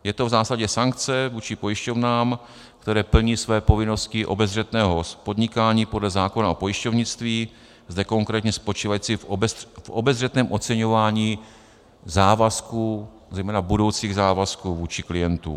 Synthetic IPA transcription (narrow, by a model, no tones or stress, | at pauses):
jɛt̪o̞vzaːslaɟɛsaŋk̚t͡sɛvuːt͡ʃɪpo̞jɪʃcovnaːm | kt̪ɛɾɛːpl̩ɲiːsvɛːpo̞vɪno̞scɪʔo̞̰bɛzr̝ɛt̪nɛːɦospo̞d̪ɲɪkaːɲiːpo̞dlɛzaːko̞naopo̞jɪʃcovɲɪt͡st̪viː | zd̪ɛko̞ŋkɾɛːt̪ɲɛspo̞t͡ʃiːvajiːt͡sɪvʔo̰bɛzrɛt̪nɛːmʔo̞t͡sɛɲo̞vaːɲiː | zaːvasku | zɛjmɛːnabudo̞wt͡siːɣzaːvaskuvuːt͡ʃɪklɪjɛnt̪ṵ